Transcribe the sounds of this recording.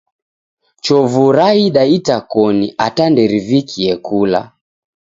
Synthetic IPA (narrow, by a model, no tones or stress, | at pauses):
t͡ʃɔvuɾaiɗaitakɔniʔatandɛɾivikʰiɛkula̰